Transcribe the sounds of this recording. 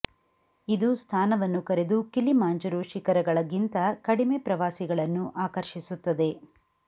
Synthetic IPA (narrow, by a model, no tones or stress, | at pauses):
id̪ust̪ʰaːnɐʋɐnːukɐɾe̞d̪ukilimaːnd͡ʒɐɾuʃikɐɾɐɡɐɭɐɡint̪ɐkɐɽime̞pɾɐʋaːsiɡɐɭɐnːuʔaːkɐɾʃisut̪ːɐd̪e̞